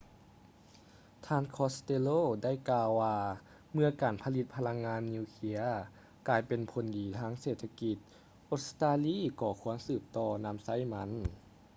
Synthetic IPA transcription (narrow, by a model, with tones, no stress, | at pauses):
t̪ʰaː˧˨nkʰɔː˧˥st̪e˧loː˧˥˨da˥˩˨jkaː˧wːaː˧ | mɯ˧ɐkaː˨˩npʰa˧li˧t̪̚pʰa˧la˧˥ŋːaː˧˥nːiː˧kʰi˧˥ɐ | kaː˨˧˩jpe˨˩npʰo˨˩ndiː˨˩t̪ʰaː˧˥˨ŋseː˨˩t̪ʰːa˧ki˧t̪̚ | ʔo˧˥st̪aː˧liː˧˥˨kɔː˧˩kʰu˧˥˦ənsɯː˧˩p̚t̪ɔː˧na˧˥msa˧˥˨jma˧˥n